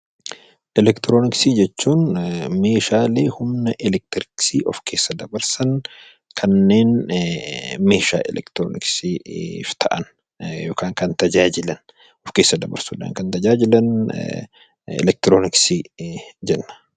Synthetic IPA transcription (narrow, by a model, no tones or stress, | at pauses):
ʔɛlɛkt̪ɪɾoːnɪksid͡ʒɛt͡ʃːuːnme̞ːʃaːleːhʊmnɐʔɪlɛk̚t̪ɪɾɪksiʔɔfkʰe̞ːsːɐd̪ɐbɐɾsɐn | kʰɐnːe̞ːn | me̞ːʃa̰ːʔɛ̰lɛ̰kt̪ɪɾoːnɪ̰ksift̪ʰɐʔɐn | joːkaːŋkɐnt̪ɐd͡ʒaːd͡ʒɪlɐn | ɔfke̞ːsːɐd̪ɐbɐ̰ɾsuːᶑɐ̰ːŋkɐnt̪ɐd͡ʒaːd͡ʒɪlɐn | ɛ̰lɛk̚t̪ɪɾoːnɪksid͡ʒɛnːɐ̥